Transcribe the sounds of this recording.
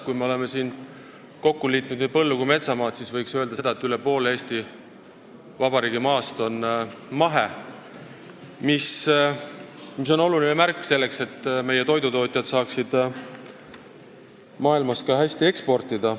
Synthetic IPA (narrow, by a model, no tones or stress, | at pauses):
kujme̞o̞le̞me̞siːn | ko̞kːuliːt̪ˑnud̪ny̥pɤlːukume̞t̪sɑmɑːt̪sisvɤjksøe̞ld̪̥ɑsed̪̥ɑet̪ˑːyle̞po̞ːleeːsʲt̪i | vɑbɑɾiːɡ̥imɑːst̪o̞nmɑɦe̞ | mis | mis̬o̞no̞lulinemærkːˑse̞lːe̞kse̞t̪ːme̞je̞t̪o̞jd̪ut̪o̞ːt̪ʲˑjɑt̪sɑːksid̪̥ | mɑːilmɑskɑɦhæsʲt̪ie̞kspo̞rt̪ˑid̪̥ɑ